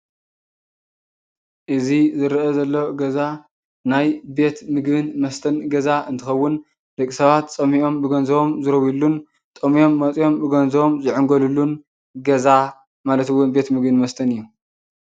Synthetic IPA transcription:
ʔɨzizɨɾʔɐzɐlːoɡɐza | najbe̞t̪mɨɡbɨnmɐst̪ʰɐnɡɐzaɨnt̪ʰɨxɐwːʊn | d̪ɐkʼːisɐβat̪t͡sʼɐmiʔo̞mbɨɡɐnzɐβo̞mzɨɾɐwjilːun | t̪ʼɐmijo̞mːɐt͡sʼjo̞mbɨɡɐnzɐβomzɨʕɨŋɡolulːun | ɡɐza | malɐt̪ɨwːʊnbe̞t̪mɨɡbɨnmɐst̪ʰɐnɨjːu

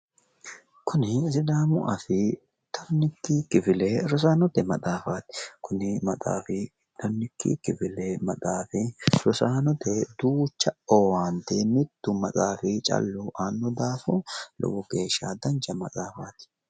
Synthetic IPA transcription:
kʰʊnɪzɪd̪aːmʊʔɐfɪ | t̪ʰɔɾnːɪkːikːɪfɪleɾɔs̬aːnɔt̪ɛmɐt̪ʼaːfat̪ɪ̥kʰʊnɪmɐt͡sʼa̰ːfɪ | t̪ʰɔnːɪkːḭkːɪfɪlɛmɐt̪ʼaːfɪɾɔsaːnɔt̪ʰɛd̪uːt͡ʃːɐowaːnt̪ɛnɪt̪ːʊmɐt͡sʼaːfɪt͡ʃʼɐ̰lːʊʔaːnːɔd̪aːfɔlɔ̰wɔɡe̞ːʃːa̰d̪ɐnt͡ʃɐmɐt͡sʼaːfaːt̪ɪ̥

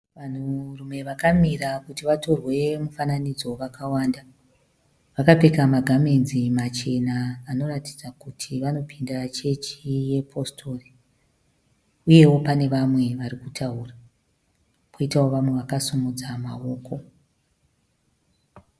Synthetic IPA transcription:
ʋan̤urume̞ʋakamirakutiʋato̞rwe̞mufananid͡zo̞ʋakawaːnda | ʋakapekamaɡʱamenzimat͡ʃe̞naːno̞rati̥d͡zakutʰiʋano̞pʰinderat͡ʃe̞t͡ʃije̞pʰo̞stʰo̞ri | uje̞wo̞pane̞ʋamwe̞ʋaɾikutʰaura | kʰoitawo̞ʋamwe̞ʋakasumud͡zamao̞ːkʰo̞

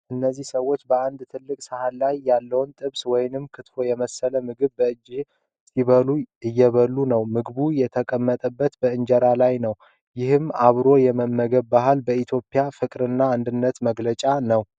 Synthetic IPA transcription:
ʔɨnːəzːihsəwːo̞t͡ʃːbəʔand̪t̪ʰɨlːɨkʼsəhalajːalːəwnt̪ʼɨβswɔjnɨmkʰɨt̪fo̞jɛməsːələmɨɡɨβbəɨd͡ʒːɪh | stiβəluɨjːɛβəlːunəwmɨɡβujɛt̪ʰəkʼəmːət̪ʼəbːət̪bəɨɲd͡ʒəɾalajnəw | jɪhɨmaβɾo̞jɛməmːəɡəβːaɦalbəit̪ʰjo̞pʼjafɨkʼɾɨnːaːnd̪ɨnːət̪məɡlət͡ʃʼanəw

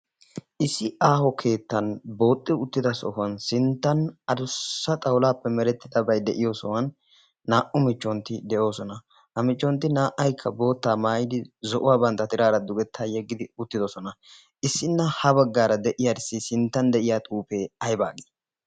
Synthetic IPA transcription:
ʔɪsːɪʔaːhɔkʰe̞ːt̪ːɐnbo̞ːt̪ʼːɪʊt̪ːɪd̪ɐsɔ̰hʊɐnsɪnt̪ːɐnɐd̪ʊsːɐt̪ʼɐwlaːpːɛmɛɾɛt̪ːɪd̪ɐbɐjd̪ɛʔɪjoːsɔwɐnː | aːʔʊmɪt͡ʃːɔnt̪ːɪd̪ɛʔo̞ːsɔnɐ | hɐmɪt͡ʃːɔnt̪ːɪnaːʔɐjkʰːɐbo̞ːt̪ːaːmaːjɪd̪ɪzɔʔʊwaːbɐnt̪ːɐt̪ɪɾaːɾɐd̪ʊɡɛt̪ːaːjɛɡːɪd̪ɪʊt̪ːɪd̪ɔsɔnɐ | ʔɪsːɪnːɐhɐbɐɡːaːɾɐd̪ɛʔɪjadɪsːɪsɪnt̪ːɐnd̪ɛʔɪjaːt̪ʼuːpeːɐjba̰ːɡɪ

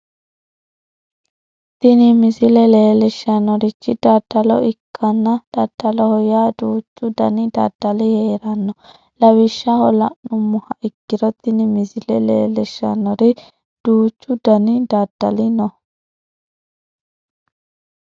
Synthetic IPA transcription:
t̪ɪnɪmɪzɪlɛleːlɛʃɐnːɔɾɪt͡ʃːɪd̪̥ɐd̪̥ːɐlɔ̰ɪkʰːɐnːɐd̪̥ɐd̪̥ːɐlɔhɔjaːd̪uːt͡ʃːʊd̪ɐ̰nɪd̪ɐ̰d̪̥ːɐlɪheːɾɐnːɔ | lɐwɪʃːɐhɔlɐnːʊmːʊhɐʔɪkːɪɾɔt̪ːɪnɪmɪzɪlɛleːlɛʃːɐ̰nːɔɾɪ | d̪̥uːt͡ʃːʊd̪ɐnɪd̪ɐd̪̥ːɐ̰lɪnɔ

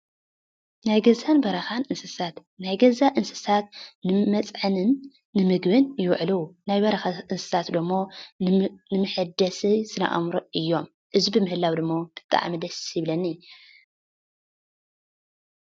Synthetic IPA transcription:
najɡɐzanbɐɾɐxanɨnsɨsat̪ | najɡɐzaʔɨnsɨ̥sat̪nɨmɐt͡sʼʕɨnɨnː | ɨmɨɡbɨnjɪwʕlɨwnajbɐɾɐxaʔɨnsɨ̥sat̪d̪ɨmːo̞ | nɨmɨħɨd̪ɐsisɨna̰ʔa̰mɾoʔɨjːo̞m | ʔɨzbɨmɨhɨlːawd̪ɨmːot̪ʰɨ̥t̪ʼːa̰ʕa̰mɐd̪ɐsjɪβlɐnːi

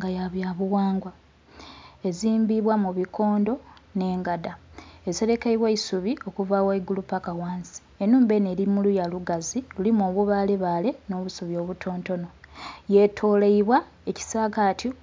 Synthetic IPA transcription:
ŋɡajaβjaβuwaːŋɡwa | e̞ziːmbiβwamuβiko̞ːndo̞ne̞ːŋɡadaese̞ɾe̞kaiβweisuβio̞kuvawaiɡulupakawaːnsi̥enuːmbe̞ne̞ɾimulujaluɡazilulimoːβuβale̞βaːle̞no̞ːβusuβjo̞ːβutʰo̞ːnto̞no̞je̞tʰo̞ːleiβwa | e̞ci̥saːkatʰi

